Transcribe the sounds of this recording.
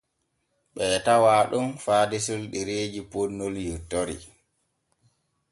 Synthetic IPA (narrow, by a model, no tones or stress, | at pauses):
ɓɛːtawaːɗunfaːdisulɗɛɾeːd͡ʒiponːɔljutːoɾḭ